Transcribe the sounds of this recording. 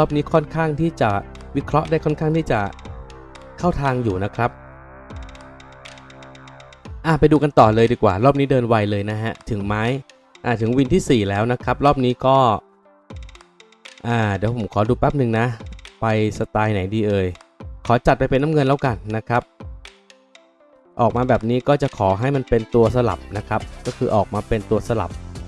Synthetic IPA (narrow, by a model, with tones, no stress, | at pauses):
ɾɔː˥˩p̚niː˦˥kʰɔ˥˩nkʰaː˥˩ŋt̪ʰiː˥˩t͡ɕa˨˩wi˦˥kʰɾɔ˦˥ʔdaː˥˩jkʰɔ˥˩nkʰaː˥˩ŋt̪ʰiː˥˩t͡ɕa˨˩ | kʰa˥˩wt̪ʰaː˧ŋjuː˨˩na˦˥kʰɾa˦˥p̚ | ʔaː˧˨˩pa˧jduː˧ka˧nt̪ɔː˨˩lɤː˧jdiː˧˩kwa̰ː˨˩ɾɔː˥˩p̚niː˦˥dɤː˧nwa˧jlɤː˧jna˦˥ɦa˦˥ʔt̪ʰɯ˩˦ŋmaː˦˥j | ʔaː˨˩t̪ʰɯ˩˦ŋwi˧nt̪ʰiː˥˩siː˨˩lɛː˦˥wna˦˥kʰɾa˦˥p̚ɾɔː˥˩p̚niː˦˥kɔː˥˩ | ʔaː˨˩deː˩˦wpʰo˩˦kʰɔː˩˦duː˧pɛː˦˥p̚nɯ˨˧ŋna˦˥pa˧jsa˧t̪aː˧jna˩˦jdiː˧ʔɤː˧jkʰɔː˩˦t͡ɕa˨˩t̪̚pa˧jpe˧nːa˦˥mŋɤ˧nlɛː˦˥wka˧nːa˦˥kʰa˦˥p̚ | ʔɔː˨˩k̚maː˧bɛː˨˩p̚niː˦˥kɔː˥˩t͡ɕa˨˩ʔkʰɔː˩˦ɦa˥˩jma˧npe˧nt̪u˧ɐs̬a˧la̰˨˩p̚na˦˥kʰa˦˥p̚kɔː˥˩kʰɯː˧ʔɔː˨˩k̚maː˧pe˧nt̪u˧ɐsa˧la̰˨˩p̚